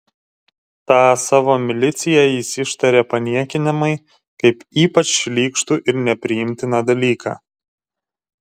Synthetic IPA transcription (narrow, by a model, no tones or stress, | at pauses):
t̪ɑːsɑːʋoːmʲɪlʲɪt̪sʲɪjɛjɪsʲɪʃt̪ɐɾʲeːpɐnʲiɛkʲɪnʲɪmɐɪ | kɐɪpiːpɐt͡ʃlʲiːkʃt̪uʔɪɾnʲɛpʲɾʲɪjɪmʲt̪ʲɪnɑd̪ɐlʲiːkʰɑ̰ː